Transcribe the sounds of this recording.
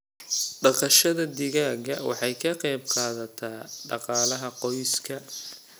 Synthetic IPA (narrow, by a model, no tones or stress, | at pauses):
ɖɑqɑʃɐðɐd̪ɪɣaːɣɐwɑ̰ħɑjkʰɐqɛjb̚qɑːðɐt̪ʰaːɖɑ̰qɑːlɐɦɐqɔjskʰɐ